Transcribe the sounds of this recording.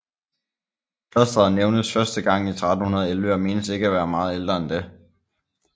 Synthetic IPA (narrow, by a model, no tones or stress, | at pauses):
kʰlɒsd̥ɐðˠneʊnəsfɶɐsd̥əɡ̥ɑ̈ŋ̰it͡sʰʁɑ̈d̥n̩hunɐð̞̩ˠelʋøɐme̝ːnəse̝ɡ̥əæʋæːɐmɑ̈ːð̞̩ˠeld̥ʁɐend̥e̝